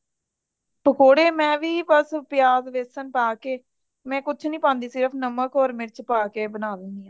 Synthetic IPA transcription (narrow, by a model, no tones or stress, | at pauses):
pəkoːɽeːmɛ̃ːʋiːbəspɪjaːzʋeːsənpaːkeː | mɛ̃ːkʊt͡ʃʰnĩːpãːnd̪iːsɪɾəpʰnəməkɔːɾmɪɾt͡ʃpaːkeːbənaːd̪ənd̪iːãː